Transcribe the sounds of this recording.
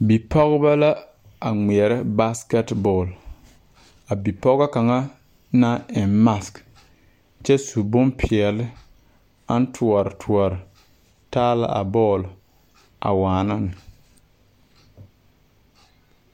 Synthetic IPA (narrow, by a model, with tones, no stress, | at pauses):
bi˨pʰɔ˦ɣʊ˦ba˦la˦ | a˨ŋ͡mi˨ɛ˨ɾɪ˦ba˦skɛ˦tbɔː˨l | a˨bi˨pɔ˦ɣa˦ka˨ŋa˦ | na˦ɪ˨mma˦sk | t͡ʃɛ˦su˨bʊ˦mpʰi˨ɛ˨lɪ˦ | a˦n˦tʰu˨ɔ˨ɾɪ˨tʰu˨ɔ˨ɾɪ˨ | taː˦la̰˦ʔa̰˨bɔː˦˨l | a̰˨waː˨na˦nɨ˨